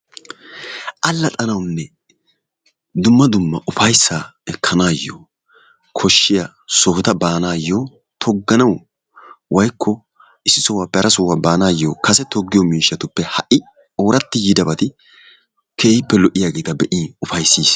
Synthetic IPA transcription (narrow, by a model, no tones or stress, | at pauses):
ʔɐlːɐt̪ʼɐnɐwnːɛ | d̪ʊmːɐd̪ʊmːɐʔʊfɐjsːaːɛkʰːɐnaːjːo̰ | kʰɔʃːɪja | sɔhɔt̪ɐbaːnaːjːoː | t̪ʰɔɡːɐnɐw | wɐjkʰːɔ | ɪsːɪsɔwaːpɛɾɐsʊwaːbaːnaːjːoːkɐsɛt̪ɔɡːɪjɔmiːʃːɐt̪ʊpːɛhɐʔɪ | oːɾɐt̪ːɪjɪd̪ɐbɐt̪ɪ | kʰeːhɪpːɛlɔʔɪjaːɡeːt̪ɐbɛʔiːnʊfɐjsːiːs